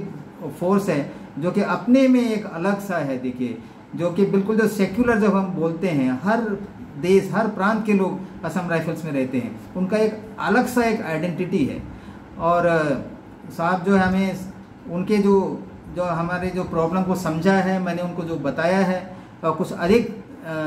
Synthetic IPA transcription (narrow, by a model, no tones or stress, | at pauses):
k | foːɾsɦɛːd͡ʒoːkiʔɐpnemẽeːkɐləɡsaɦɛd̪eːkʰie | d͡ʒoːkibɪlkʊld͡ʒoːseːkjuləɾd͡ʒɐbɦɐmboːlt̪eɦɛ̃ɦɐɾ | d̪eːʃɦɐɾpɾãːnt̪̚keloːɡpɐsəmɾaːɪfʰəlsmẽɾɛɦt̪eɦɛ̰̃ʊnkaeːkɐ̰ləɡsaeːkaːɪɖɛ̃ɳʈɪʈiɦɛ̰ː | ɔːɾ | saːt̪̚d͡ʒoːɦɛɦɐmẽ | ʊnked͡ʒoː | d͡ʒoːɦɐmaːɾed͡ʒoːpɾɔːbləmkosɐ̃md͡ʒʱaɦɛmɛ̃ːneʊnkod͡ʒoːbɐt̪aːjaɦɛː | ɔɾkʊt͡ʃʰɐd̪ʱɪk̚